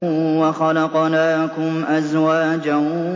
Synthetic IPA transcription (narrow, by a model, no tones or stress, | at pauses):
waxɑlɑqnaːkʊmʔazwaːd͡ʒa